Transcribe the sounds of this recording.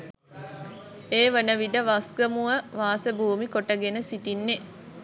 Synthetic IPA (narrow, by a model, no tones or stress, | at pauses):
eːʋənəʋid̪əʋasɡəmuʋəʋaːsəbuːmikoʈəɡenəsit̪inːe